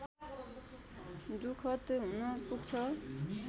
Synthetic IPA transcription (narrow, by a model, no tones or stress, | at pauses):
d̪ukʰʌt̪ɦunʌpuɡ̚t͡sʰʌ